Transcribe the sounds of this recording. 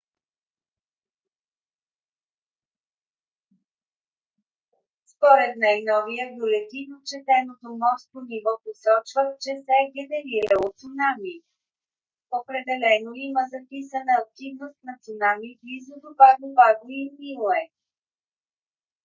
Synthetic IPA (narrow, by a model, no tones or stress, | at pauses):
spoɾɛt̪najnɔvijəbjolɛt̪inot͡ʃɛt̪ɛnot̪omɔst̪̚ponivɔposɔt͡ʃvəxt͡ʃɛsɛɡʲɛd̪ɛɾiɾɛot̪sunami | opɾɛd̪ɛlɛnoiməzɐpisənəːk̚t̪ivnost̪nət̪sʊnamiblizod̪obaɡ̪ovaɡoimilˠɛ